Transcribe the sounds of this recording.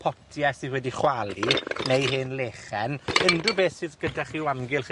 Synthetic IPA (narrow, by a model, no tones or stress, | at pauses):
pʰɔtʰjɛsiwɛdiχwalˠinejɦɪnleːχɛnəndrʊbeːsɪsɡ̥ədaχiːwamɡɪlˠχ